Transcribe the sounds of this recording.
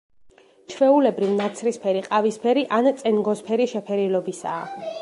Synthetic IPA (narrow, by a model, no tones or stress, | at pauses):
t͡ʃʰvɛulɛbɾivnat̪sʰɾispʰɛɾiqʼavispʰɛɾiʔant̪sʼɛnɡɔspʰɛɾiʃɛpʰɛɾilɔbisa̰ː